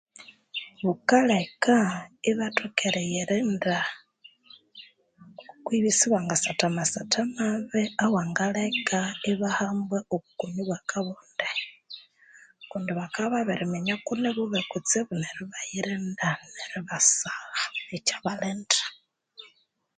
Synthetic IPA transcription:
βukalekaiβatʰokeɾejiɾinda | kwiβisiβaŋɡasatamasatʰamaβeawaːŋɡalekaiβahambweoβukuɲiβwakʰaβoːnde | kundiβakaβaβeɾimeɲakuneβuβekut͡seβuneɾiβajiɾindaneɾiβasaɣait͡ʃaβaleːndḁ

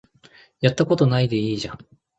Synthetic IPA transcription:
jat̪ːako̞t̪o̞naid̪e̞iːʑã

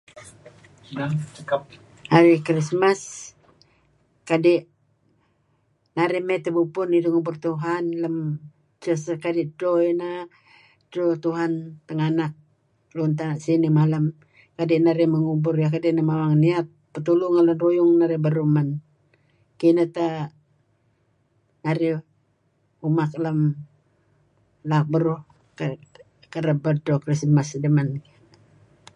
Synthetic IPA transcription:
at͡ʃəkap | haɾikɾismas | kadɛʔ | naɾɛmet̪əbupʊniduŋubʊrt̪uɦanləm | t͡ʃəsəkadɛʔdɾoina | drot̪uɦant̪əŋanak̚ | lunt̪̬anaʔsinimalam | kadiʔnaɾiməŋubʊrjakadiʔnamawaŋniat̪̚pːət̪uluŋalanrujʊŋnaɾibəɾuman | kinət̪a | naɾi | umaklam | lak̚bəɾu | k | kəɾəbədokəɾisəmasdəmanki

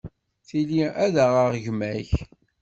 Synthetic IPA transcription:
θiliæðæʁəʁʝmæç

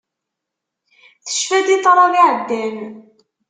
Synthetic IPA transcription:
θə̥ʃfæd̪it̪ˤːɾˤɑviʕəd̪ːæn

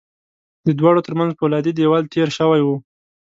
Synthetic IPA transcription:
d̪əd̪wɑɽot̪əɾmanzpəwlɑd̪id̪ewalt̪ʰeɾʃəwajwu

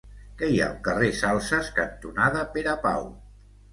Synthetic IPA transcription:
kɛja̰lˠkəresalˠsəskənt̪unaðəpeɾəpa̰w

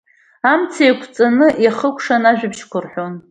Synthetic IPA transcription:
amt͡sʰejkʷʰt͡sʼanɨjaχəkʷʰʂanaʒᶣɪbʃkʷʰʊrħʷon

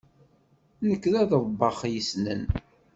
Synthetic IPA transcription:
nəkːðæðəðˤbːɑχjisnə̰n

